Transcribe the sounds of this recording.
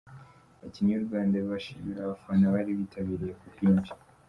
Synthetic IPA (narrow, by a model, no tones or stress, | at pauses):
aciɲuɾuɡaːndeββaʃḭmiɾaβafanaβaɾiβitʰaβiɾijekubɡiːnd͡ʒi̥